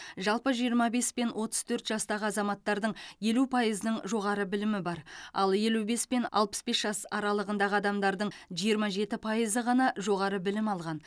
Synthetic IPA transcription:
ʒɑlˠpəʒijəɾmɑbe̞spe̞nwʔo̞t̪ə̥z̥t̪ʰɵɾt̪ʒɑst̪ɑʁəɑzɑmɑt̪ːɑɾd̪əɴje̞lupʰɑjəzənəɴʒo̞ʁɑɾəbɪlɪmɪbɑɾɑ̰lˠje̞lube̞spe̞nɑ̰lˠpə̥sbe̞sʒ̥ɑsɑɾɑlˠəʁənd̪ɑʁəɑd̪ɑmd̪ɑɾd̪əɴʒijəɾmɑʒe̞t̪ɪpʰɑjəzəʁɑnɑʒo̞ʁɑɾəbɪlɪmɑlˠʁɑn

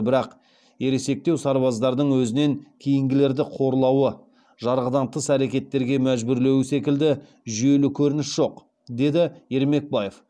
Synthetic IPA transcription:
bɪɾɑq | je̞ɾe̞se̞k̚t̪e̞wsɑɾbɑzd̪ɑɾd̪əɴwɵzɪneŋkʲʰejɪŋɡʲɪle̞ɾd̪ɪqʰo̞ɾlˠɑwə | ʒɑɾʁəd̪ɑnt̪ʰəsæɾekʲe̞t̪ːe̞ɾɡʲe̞mæʒbʏɾle̞wɪsekʲɪld̪ɪ | ʒʏje̞lɪkʲʰɵɾɪnɪsʒ̥o̞q | d̪e̞d̪ɪje̞ɾme̞k̚bɑje̞f

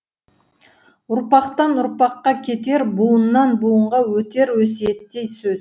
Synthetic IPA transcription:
ʊɾpɑqt̪ɑnʊɾpɑqːɑkʲʰe̞t̪e̞ɾbuənːɑnbuəɴʁɑwɵt̪e̞ɾwɵs̬eet̪ːe̞jsɵz

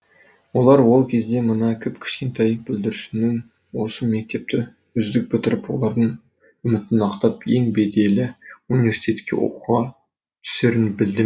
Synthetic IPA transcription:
wo̞lˠɑɾwo̞lˠkʲʰe̞zd̪e̞mənɑkʲʰɪpkʲʰɪ̥ʃkʲe̞nt̪ʰɑjb̥ɪld̪ɪɾɪʃɪnɪŋ | wo̞səme̞k̚t̪e̞p̚t̪ʰɪ | ʏzd̪ɪk̚ʲbʏt̪ɪɾɪpwo̞̰lˠɑɾd̪əɴ | ʏmɪt̪ɪnɑqt̪ɑpjeŋbe̞d̪e̞lɪunivʲe̞rsi̥t̪e̞t̪kʲʰːe̞̰wo̰quʁɑ | t̪ʰʏ̥seɾɪnbɪld̪ɪ

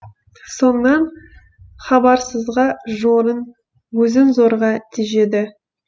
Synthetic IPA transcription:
so̞nəːɑn | χɑbɑɾsəzʁɑʒoɾən | wɵzɪnzoɾʁɑt̪ʰiʒe̞d̪ɪ

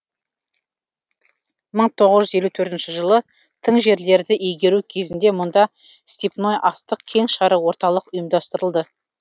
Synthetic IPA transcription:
məɴt̪ʰo̞ʁəzʒʏze̞lut̪ʰɵɾt̪ɪnʃɪʒəlˠə | t̪ʰəɴʒe̞ɾle̞ɾd̪ɪʔejɡʲe̞ɾukʲʰe̞zɪnd̪e̞mʊnd̪ɑ | st̪ipno̞jʔɑst̪əqkʲʰe̞ŋʃɑɾəwo̞ɾt̪ɑlˠəqʊjəmd̪ɑst̪əɾəlˠd̪ə

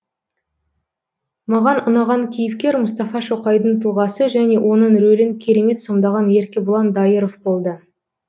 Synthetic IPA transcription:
mɑʁɑnʊnɑʁɑŋkʲʰijɪpkʲe̞ɾmʊst̪ɑfɑʃoqɑjd̪ənt̪ʰəlˠʁɑsəʒæne̞wʔo̞nəɴɾɵlɪŋkʲʰe̞ɾe̞me̞t̪so̞md̪ɑʁɑne̞ɾkʲɪbʊlˠɑnd̪ɑjəɾo̞vbo̞lˠd̪ə

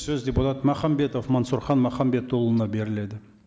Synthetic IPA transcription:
sɵzdʲeput̪ɑt̪mɑχɑmbe̞t̪ofmɑnsuɾχɑnmɑχɑmbe̞t̪ʰːolˠənɑbe̞ɾɪle̞d̪ɪ

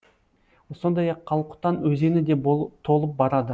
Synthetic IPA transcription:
wso̞nd̪ɑjɑqʰːɑlˠqʊ̥t̪ːɑnwɵze̞nɪd̪e̞bot̪ʰo̞lˠəp̚bɑɾɑd̪ə

